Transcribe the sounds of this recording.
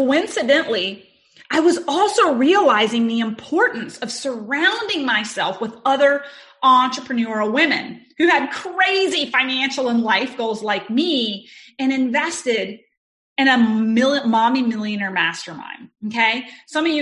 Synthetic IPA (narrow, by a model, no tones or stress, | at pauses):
koʊɪ̃nsɨdɨ̃nʔli | aɪwʌzɔlˠsoʊɹiəlaɪzɪ̃ŋðiɨ̃mpʰɔɹʔn̩sʌv̥sə˞ãʊ̃ndɪ̃ŋmaɪsɛlˠfwəðʌðə˞ | ʔɑ̃nt͡ʃɹ̥əpʰɹ̥ɨnɔɹˠwɪ̃mɨ̰̃nhʉɨd̚kʰɹ̥eɪzifãɪ̃næ̃nʃl̩ˠə̃nlaɪfɡ̥oʊlˠzlaɪk̚miɨ̃ñɨ̃ɱvɛstɪɾ | ɨ̃ñɨmɪlˠɨmɑmimɪlˠjɨ̃nɛ˞mæstə˞mã̰ɪ̃nokʰeɪsʌ̃mʌvj